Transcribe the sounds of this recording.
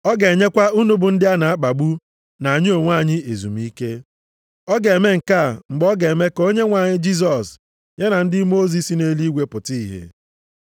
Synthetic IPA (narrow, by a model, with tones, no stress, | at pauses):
ɔ˦ɡe˨ɲe˦kʷa˦u˦nu˦bʊ˨n̩˦dɪ˦a˦na˨a˦k͡pa˨ɡ͡bu˦ | na˨a˨ɲɪ˦o˨ŋʷa˦˨ɲɪ˦e˨zu˨m̩˦i˦ke˦ | ɔ˦ɡe˨e˨me˦ŋ̩˨ka˦˨ŋ͡m̩˨ɡ͡bɔ˦ɡe˨e˨me˦ko˦ɲe˦ŋʷa˨ɲɪ˦d͡ʒi˦s̬ɔ˨s | ɲe˦na˨n̩˦dɪ˦mo˦zi˨˦si˨ne˦li˦ɡʷe˦pʊ˨ti˦i˦˨ɦḛ˨